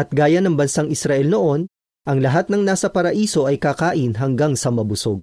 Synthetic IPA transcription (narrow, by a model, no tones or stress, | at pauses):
ʔɐt̪̚ɡaːjɐnɐŋbɐnsaŋɪsɾɐʔɛlnoʔo̞n | ʔɐŋlɐɦat̪nɐŋnaːsɐpɐɾɐʔiːso̞ʔɐjkaːkaːʔɪnɦɐŋɡaŋsɐmɐbʊso̞ɡ̚